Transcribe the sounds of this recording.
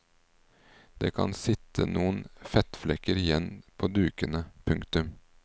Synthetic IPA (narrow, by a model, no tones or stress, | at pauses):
d̪̥ḛːkʰɑ̰nsɪt̪ʰə̰nuːənfɛt̪flɛkəɾɪjɛnpʰoːd̪ʉːkənəpʰʉŋkt̪ʉm